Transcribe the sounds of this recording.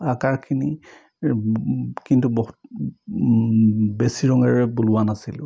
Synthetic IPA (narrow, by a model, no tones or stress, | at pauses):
akaɹkʰini | kintuboɦut | besiɹɔŋɛɹɛbulʊwanasilʊ